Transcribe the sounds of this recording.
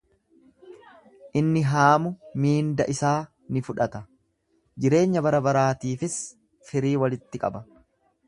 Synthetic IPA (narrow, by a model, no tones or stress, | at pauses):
ʔɪnːɪɦaːmʊmiːnd̪ɐʔɪsaː | nɪfʊᶑɐt̪ɐ | d͡ʒɪɾe̞ːɲːɐbɐɾɐbɐɾaːt̪iːfɪs | fɪɾiːwɐlɪt̪ːɪkʼɐ̰bɐ